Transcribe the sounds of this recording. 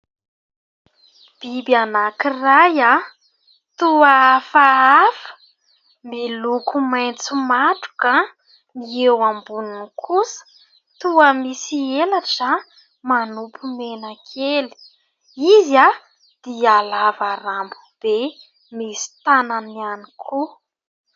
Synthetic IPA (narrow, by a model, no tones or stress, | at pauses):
b̥ibianakiraja | t̪uafaafə̥ | milukumajnt͡sumaʈ͡ʂu̥ka | niewambununkʰusə̥ | t̪uəmisielaʈ͡ʂa | manupʰumenakʰeli̥ | iza | d̪̥ialavaɾambu̥b̥e | misi̥t̪ananianikʰu